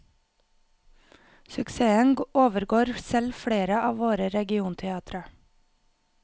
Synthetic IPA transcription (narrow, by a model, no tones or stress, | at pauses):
sʉkseːənɡoːʋəɾɡoːɾsɛlfɽeːɾəʔɑːʋʋoːɾəɾɛɡɪuːnt̪ʰɛɑːt̪ɾə